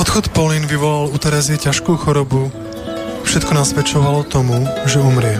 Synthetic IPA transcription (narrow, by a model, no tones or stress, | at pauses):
ɔt̪xɔt̪pɔlinʋiʋɔlalut̪ɛɾɛziɛcaʃkuːxɔɾɔbu | fʃɛt̪kɔnasʋɛt͡ʃɔʋalɔt̪ɔmuʒɛumɾɪɛ